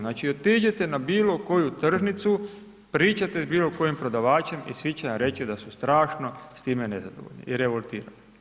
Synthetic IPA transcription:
naːt͡ʃiot̪iːd͡ʑet̪e̞nabiːlo̞ko̞jut̪r̩ʒnit̪su | pɾiːt͡ʃat̪e̞zbiːlo̞ko̞jimpɾo̞d̪aʋaːt͡ɕe̞mḭsʋit͡ɕeʋamɾe̞t͡ɕid̪asust̪ɾaːʃno̞st̪iːme̞ne̞zad̪o̞ʋo̰ʎnḭʔiɾe̞ʋolˠt̪iːɾani

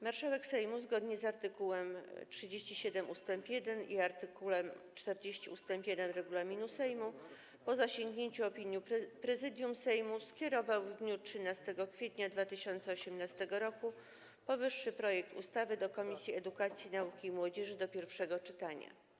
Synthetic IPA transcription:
maɾʂawɛksɛjmuzɡɔd̪ɲɛzaɾt̪ɘkuwɛmtʂɘd͡ʑeɕt͡ɕiɕɛd̪ɛmust̪ɛmpjɛd̪ɛniaɾt̪ɘkulɛmt͡ʂt̪ɛɾd͡ʑeɕt͡ɕiust̪ɛmpjɛd̪ɛnɾɛɡulamʲinusɛjmu | pɔzaɕeŋɡɲeɲt͡ɕuɔpʲiɲjipɾɛzɘd̪ʲjumsɛjmuskʲjɛɾɔvawvd̪ɲutʂɘnast̪ɛɡɔkfʲjet̪ɲad̪vat̪ɘɕɔnt̪sɛɔɕɛmnast̪ɛɡɔɾɔku | pɔvɘʂːɘpɾɔjɛk̚t̪ṵst̪avɘd̪ɔkɔmʲisʲjiɛd̪ukat̪sʲjinaukʲimwɔd͡ʑɛʐɘd̪ɔpʲjɛɾfʂɛɡɔt͡ʂɘt̪aɲa̰

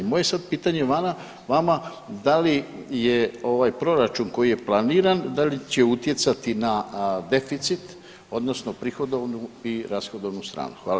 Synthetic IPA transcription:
moje̞sad̪̚piːt̪aɲe̞ʋana | ʋama | d̪alijeo̞ʋajpɾo̞ɾat͡ʃunko̞jije̞plˠaniːɾand̪alit͡ɕe̞ut̪je̞t̪sat̪inad̪e̞fit̪sit̪ | o̞d̪no̞sno̞pɾixo̞d̪o̞ʋnuiɾasxo̞d̪o̞ʋnust̪ɾa̰ːnuxʋa̰ːl

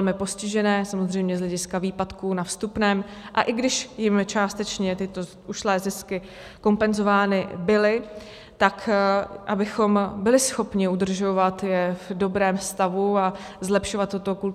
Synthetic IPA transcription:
lmɪpo̞scɪʒɛnɛːsamozr̝ɛjmɲɛzɦlɛɟɪskaviːpat̪kuːnafst̪upnɛːmʔaʔɪɡdɪʃjɪmt͡ʃaːst̪ɛt͡ʃɲɛt̪ɪt̪o̞ | ʔuʃlɛːzɪskɪ | ko̞mpɛnzo̞vaːnɪbɪlɪ | t̪akʔabɪxo̞mbɪlɪsxo̞pɲɪud̪r̩ʒo̞vat̪jɛvdo̞bɾɛːmst̪avuazlɛpʃo̞vat̪ːot̪o̞ku

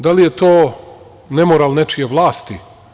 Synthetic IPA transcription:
d̪alijet̪oː | nemoɾalˠnet͡ʃijeʋlˠaːst̪i

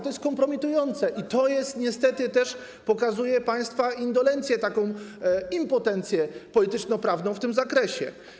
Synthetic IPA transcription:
t̪ɔjɛst̪kɔmpɾɔmʲit̪ujɔnt̪sɛʔit̪ɔjɛst̪ɲɛst̪ɛt̪ɘt̪ɛʂ | pɔkazujɛpaj̃st̪faind̪ɔlɛnt̪sʲjɛt̪akɔ̃w̃impɔt̪ɛnt̪sʲjɛpɔlʲit̪ɘt͡ʂnɔpɾavnɔ̃w̃ft̪ɘmzakɾɛɕɛ̰

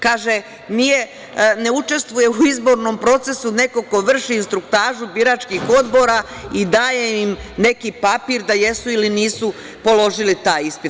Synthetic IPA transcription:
kaːʒe | nije̞ | ne̞ut͡ʃe̞st̪ʋuje̞uizbo̞ɾno̞mpɾo̞t̪se̞sune̞ko̞ko̞ʋr̩ʃiːnst̪ɾukt̪aːʒubiɾat͡ʃkixo̞d̪bo̞ɾaid̪aːjeimne̞kipapiːɾd̪aje̞suiliniːsu | po̞lˠo̞ʒilit̪aːjispit̪

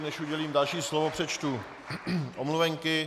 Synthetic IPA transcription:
nɛʃʔuɟɛliːmdalʃiːslovopr̝̥ɛt͡ʃt̪u | ʔomluvɛŋkɪ

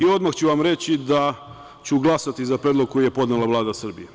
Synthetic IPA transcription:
io̞d̪maxt͡ɕuʋamɾe̞t͡ɕid̪a | t͡ɕuɡlˠasat̪izapɾed̪lo̞ɡ̚ko̞jijepo̞d̪nelaʋlˠaːd̪asr̩bije

